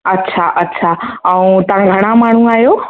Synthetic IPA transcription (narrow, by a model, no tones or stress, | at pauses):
ətːʃʰaʔətːʃʰaəũt̪ãɡʱəɽ̃ãmaɳ̤̃ũajo